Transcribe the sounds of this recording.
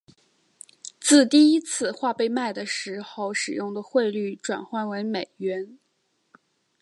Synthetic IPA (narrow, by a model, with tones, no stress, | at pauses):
t͡sɹ̩˥˧t̪i˥˩i˥t͡sʰɹ̩˥˧xwa˥˧pe˥˧ɪma˥˩ɪd̪ə˩ʂɻ̩˧˥xo˥˧ʊʂɻ̩˨˩jʊ˥˩ŋd̪ə˩xwe˥˧ɪly˥˩ʈ͡ʂwa̰˨˩nxwa˥˩nwe˧˥ɪme˨˩ɪɥɛ˧˥n